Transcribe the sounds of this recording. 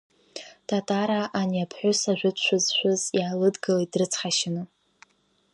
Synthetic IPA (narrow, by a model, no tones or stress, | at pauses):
tʰatʼaɾaʔːnjapʰħʷʊsaʒᶣʷʊt͡ʃʷʰʊzʃʷᶣʊzjiʕalɨdɡɨladrɨt͡sʰχaʃɪnɨ